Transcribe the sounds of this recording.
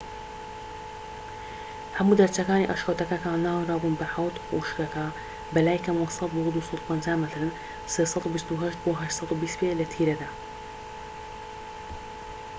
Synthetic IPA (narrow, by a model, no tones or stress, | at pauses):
hɐmuːd̪ɐɾt͡ʃɐkaːnḭːʔɐ̰ʃxɐwt̪ɐkakaːnːaːwiɾˤaːbuːnbaħawt̪ṵʃkɐka | bɐlaːjkɐmasɑt̪̚buɣd̪uːsˤɑt̪u̥pɐnd͡ʒaːmət̪ɾən | seːsˤɑt̪ubist̪uɦɐʃt̪̚buɦaʃt̪sˤɑt̪ubiːst̪beːʔlɐt̪ʰiːɾɐd̪aː